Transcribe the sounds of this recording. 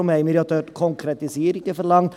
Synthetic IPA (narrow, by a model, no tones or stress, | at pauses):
ʊmæɪmɪɾɪɑt̪ʰøːɾkʰɔŋkʰɾɛt̪ɪseːɾɪkːəfɔɾlɑŋt̪